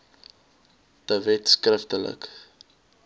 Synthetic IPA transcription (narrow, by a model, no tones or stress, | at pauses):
təvɛtskrəftələ̰k